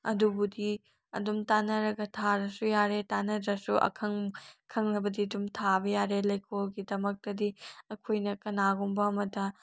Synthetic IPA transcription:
ɐ̰dubudi | ɐ̰dumtanɐɾɐɡɐtʰaɾɐsujaɾetanɐdɾɐsuʔɐ̰kʰɐŋkʰɐŋnɐbɐdiɐdumtʰabɐjaɾelɐjkʰolɡidɐmɐk̚tɐdiɐkʰojnɐkɐnaɡumbɐːmɐtɐ

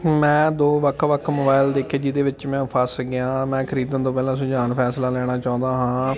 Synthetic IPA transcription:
mɛ̃ːd̪oːʋəkʰʋəkʰmobaːɪld̪eːkʰːeːd͡ʒɪd̪eːʋɪt͡ʃmɛ̃ːpʰəsɡɪãːmɛ̃ːkʰəɾiːd̪ə̃nt̪õːpɛːlãːsʊd͡ʒaːnpʰɛːslaːlɛːɽ̃aːt͡ʃaːʊ̃nd̪aːɦãː

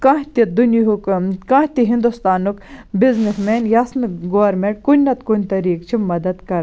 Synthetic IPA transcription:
kaɦt̪id̪uniɦukkãːɦt̪iɦĩnd̪ust̪aːnukbiznismeːnjɐsnɡoʋɐɾmeɳʈ̚kunʲːɐt̪kunʲt̪ɐɾiːkt͡ʃʰimɐd̪ɐd̪kɐɾ

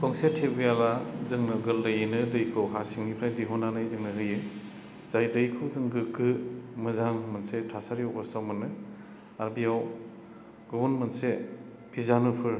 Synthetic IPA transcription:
kʰɔŋsetʰebɯjalazɯŋnɯɡɯldɯjɯnɯdɯjkʰɯwɦasiŋnipʰɾajdiɦɔnanɯjzɯŋnɯɦɯjɯ | z̥ajdɯjkʰɯwzɯŋɡɯkɯmɯzaŋmɯnsetʰasaɾiɔbɔstʰawmɯnɯ | aɾbijaw | ɡ̥ɯwunmɯnse | bʰizanupʰɯɾ

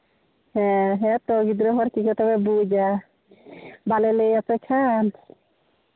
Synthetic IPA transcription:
hɛɦɛt̪ɔɡid̪ɾɔɦɔɾkikɛt̪ɔbɛbud͡ʒa | balɛlejapɛkʰan

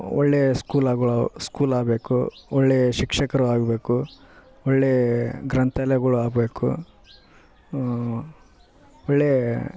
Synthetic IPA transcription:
ɔɭːeːskuːlaːɡɐɭːskuːlaːbe̞ːkṵɔɭːeːʃikʂɐkɐɾuaːɡbe̞ːku | ɔɭːeːɡɾɐnt̪ɐlɛɡɐɭuaːbeːkṵ | ɔɭːeː

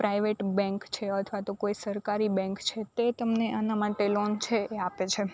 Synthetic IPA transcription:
pɾajʋeʈbɛ̃ŋkt͡ʃʰeət̪ʰʋat̪okoisəɾkaɾibɛ̃ŋkt͡ʃʰet̪et̪əmneʔanamaʈelont͡ʃʰeeapet͡ʃʰe

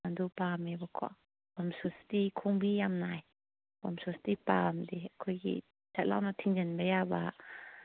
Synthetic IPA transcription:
and̪upamebakʰɔ̰ | bɔmsustikʰuŋbijamnaj | bɔmsust̪ipamd̪ikʰɔjkḭ | tat̪̚la̰wnat̪ʰiŋd͡ʒənbajabaʔ

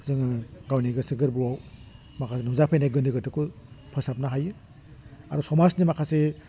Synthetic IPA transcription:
zɯŋɡawniɡɐsɯɡɯɾbuwaw | makʰasenuwzapʰejnajɡɯndɯɡɯtɯkupʰɯsap̚naɦajɯ | aɾɔsɔmasnimakʰase

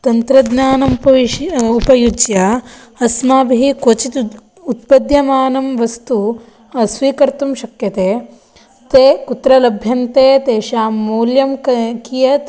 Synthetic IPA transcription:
t̪ɐnt̪ɾɐd̪naːnɐmpɐʋiʃupɐjud͡ʒjɐɐsmaːbiikot͡ʃit̪ | ut̪̚pɐd̪jɐmaːnɐmʋɐst̪u | ɐsʋiːkɐɾt̪umʃɐkjɐt̪eː | t̪eːkut̪ɾɐlɐbʱjɐnt̪eːt̪eːʃaːmːuːljɐmkkijɐt̪

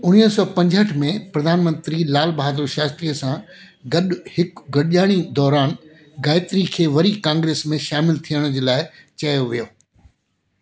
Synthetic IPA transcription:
ʊñiːsɔːpɐ̃ɲd͡ʑɦəʈʰmẽpɾɐd̪ʱaːnmə̃nt̪ɾilaːlbaːd̪ɾuʃaːst̪ɾiːəsã | ɡɐɗhɪkɡɐɽʄaːɽ̃id̪ɔːɾaːn | ɡaːɪt̪ɾikʰeːʋɐɾikãːŋɡɾeːsmẽʃaːmɪlt̪ʰijəɽ̃d͡ʑeːlaːɪt͡ɕɐjoʋijoː

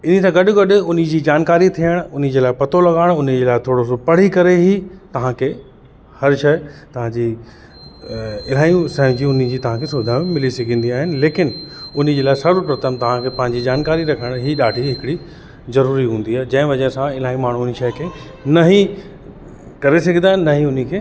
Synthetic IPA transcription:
ɪnit̪ãɡɐɗʊ̆ɡɐɗʊ̆ʊnɪ̆d͡ʑiːd͡ʑaːnkaːɾit̪ʰijəɽ̃ʊn̤̆d͡ʑeːlaːɪpɐt̪ʰolɐɠaːɪɽ̃ʊn̆d͡ʑeːlaːɪt̪ʰoːɽosopɐɽ̤ikɐɾeɦit̪ɐʋ̤ãkʰeː | hɐɾʃɐːɪt̪ɐʋ̤ãd͡ʑi | ɪlaːjũsɛ̃ːũd͡ʑiːʊnɪ̆d͡ʑiːt̪ɐʋ̤ãkʰeːsʊbɪd̪ʱaːmmɪlisɐɡʱĩːnd̪iaːɦɪnɪ̆leːkɪnʊn̤ə̆d͡ʑeːlaːɪsɐɾupɾɐt̪əmt̪ɐʋ̤ãkʰeːpɐ̃ɦɪ̃ɲd͡ʑid͡ʑaːnkaːɾiɾɐkʰəɽ̃ɦiːɗaːɖʱiɦɪkɪɽi | zɐɾuːɾiɦũːn̆d̪iaːɦd͡ʑɐ̃ɦɪ̃ʋɐd͡ʑəsãɪl̤aːĩmaːɳ̤uniʃɐːkʰeː | nɐɦi | kɐɾes̬ɐɡʱə̃nd̪aːɦɪnnɐɦiʊn̤ikʰeː

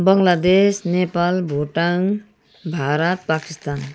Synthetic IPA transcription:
bʌŋlad̪esnepalbʱoʈaŋ | bʱaɾʌt̪̚pakist̪an

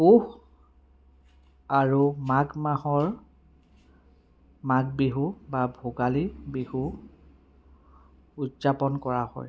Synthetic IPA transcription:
ux | aɹumaɡmahɔɹ | maɡbiɦubabʱoɡalibihu | udzapɔnkɔɹahɔ̰j

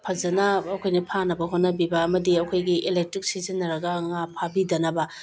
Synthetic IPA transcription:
pʰɐzɐnɐːkʰojnɐpʰanɐbɐɦot̚nɐbibɐːmɐdiɐkʰojɡiʔelek̚tɾik̚sizinːɐɾɐɡɐŋapʰabidɐnɐbɐ

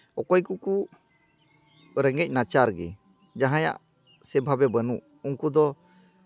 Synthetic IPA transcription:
ɔkɔjkuku | ɾɛŋɡɛc̚ˀnat͡ʃaɾɡɛ̰ | d͡ʒaɦãja̰ʔ | sɛbʱabɛbənuʔ | uŋkud̪ɔ

